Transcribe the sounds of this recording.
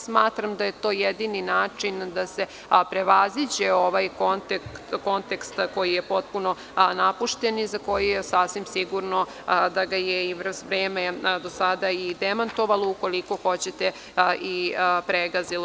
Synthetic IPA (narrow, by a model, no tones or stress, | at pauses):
smaːt̪ɾamd̪aje̞t̪o̞ːjed̪ininaːt͡ʂind̪ase | pɾeʋazid͡ʑeo̞ʋajkont̪ek̪ko̞nt̪ekst̪ko̞jijepo̞t̪̚puno̞ | napuʃt̪enizako̞jijesafsʋimsiɡuɾno | d̪aɡajeiʋɾzʋɾeːmed̪o̞sad̪aid̪emant̪oʋalˠouko̞liko̞xo̞t͡ɕet̪e | ʔipɾeɡazil